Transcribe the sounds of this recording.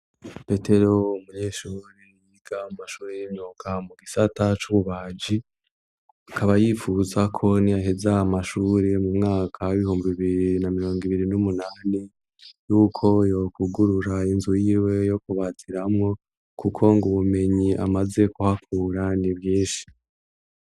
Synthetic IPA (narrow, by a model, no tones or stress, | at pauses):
pe̞te̞ɾo̞umuɲe̞ːʃuɾiniɡ̥aumaʃuːɾejimɲoːkʰamuɡisatat͡ʃuβuβaːd͡ʒi | akʰaβajifuzakʰo̞nijaɦezamaʃuːɾe̞mumŋaːkʰaiβihuːmbiβiβiɾinamiɾo̞ːŋɡiβiɾinumunaːni | juːkʰo̞jo̞kuɡuɾuɾainzujiːwe̞jo̞kuβatʰiɾamŋo̞ | kʰukʰo̞ŋɡuβume̞ɲiʔa̰maze̞kuhakʰuːɾaniβjiːnʃi̥